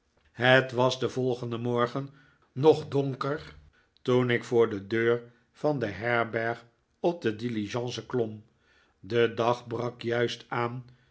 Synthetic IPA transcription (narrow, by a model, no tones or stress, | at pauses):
ɦətʋɑzdəvɔlˠχəndəmɔɹχən | nɔχdɔŋkəɹ | tunɪkfʊːɹdədøːɹ | vɑndəɦɛɹbɛɹχ | ɔp̚dədiliʒɑ̃ːnsəklɔm | dədɑχbrɑkjœɥstaːn